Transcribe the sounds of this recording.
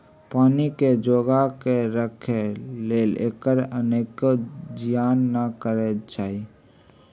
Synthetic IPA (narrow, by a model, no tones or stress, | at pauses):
paːniked͡ʒoːɡakeɾəkʰeleːlḛːkəɾəneːkd͡ʒɪjaːnːəkəɾet͡ʃaːi